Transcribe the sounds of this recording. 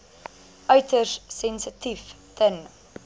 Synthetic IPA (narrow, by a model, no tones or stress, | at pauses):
ʔœɥtərsɛnsətif | tʰən